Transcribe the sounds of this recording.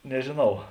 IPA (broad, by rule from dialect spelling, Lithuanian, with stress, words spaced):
nʲɛʒʲeːˈnɐʊ